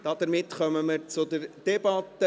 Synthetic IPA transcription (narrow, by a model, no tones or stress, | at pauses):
d̥ɑd̪əɾmɪt̪χœməməɾt͡sʊd̪əɾd̥ɛbɑt̪ːə